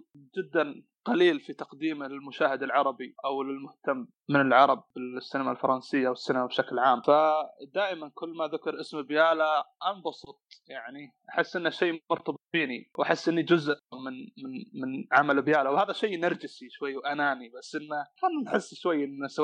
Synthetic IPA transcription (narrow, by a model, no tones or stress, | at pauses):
d͡ʒɪd̪ːan | qɑliːlfit̪ɑqd̪iːmalɪlmʊʃaːhɪd̪alʕɑɾˤɑbiʔawlɪlmʊht̪amːɪnɪlʕɑɾˤɑb̚ɪsːɪnamalfɑɾˤɑnsɪjːawɪsːanmabʃaklʕaːmfad̪aːʔɪmankʊlːmaðʊkɑɾˤʔɪsmbjaːlaʔanbɑsˤut̪̚ˤjaʕniʔaħɪsːʔɪnːaʃeːmʊɾt̪ɑbɨt̪̚ˤbiːniwʔaħɪsːʔɪnːid͡ʒʊzʔmɪnmɪnmɪnʕamalbjaːlawhaːðaʃejːnaɾˤd͡ʒɪsiʃwajːwʔanaːnibasːʔɪnːakannħɪsːʃwajːɪnːasa